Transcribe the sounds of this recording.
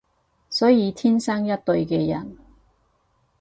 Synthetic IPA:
sɔː˨˥jiː˨˧t̪ʰiː˥nsɐ˥ŋjɐ˥t̚t̪ɵ˧ɥkɛː˧jɐ̰˨˩n

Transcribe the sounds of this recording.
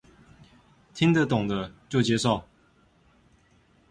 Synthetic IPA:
t̪ʰi˥ŋd̪ə˨t̪ʊ˨˩ŋd̪ə˦t͡ɕjo˥˩ʊt͡ɕjɛ˥ʂo˥˩ʊ

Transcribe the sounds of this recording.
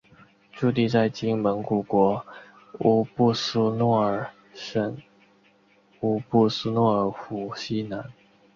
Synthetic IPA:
ʈ͡ʂu˥˧t̪i˥˧t͡sa˥˩ɪt͡ɕi˥ŋmə˧˥nku˨˩kwɔ˧˥ | u˧˥pu˥˩s̩˥nwɔ˥˩ə˨˩ | ʂə˧˩n | u˧˥pu˥˧s̩˥nwɔ˥˩ə˧˥xu˧˥˩ɕi˥na˧˥n

